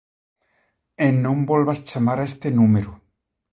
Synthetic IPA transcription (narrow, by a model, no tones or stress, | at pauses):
enːõmbolβast͡ʃamaɾaest̪enumeɾu